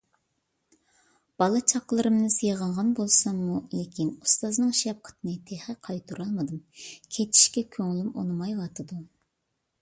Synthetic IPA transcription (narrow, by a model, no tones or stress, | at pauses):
b̥ɑlˠɨt͡ʃʰɑqlˠɨɾɨmnɨsɨjʁɑɴʁɑnbolˠsɑmːulekʲinust̪ɑznɨŋʃɑp̚qʰə̥t̪ʰɨnɨt̪ʰeχəqʰɑjt̪ʰuɾɑlˠmɨd̪ɨmkʲʰet̪ʰi̥ʃkʲɛkʲʰøŋlymo̰nɨmɑjwɑt̪ʰɨd̪u